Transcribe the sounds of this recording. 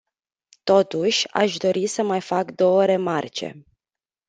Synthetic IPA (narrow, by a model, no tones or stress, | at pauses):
t̪o̞t̪uʃʲa̰ʃd̪o̞ɾisəmajfakd̪o̞wəɾe̞mart͡ʃe̞̰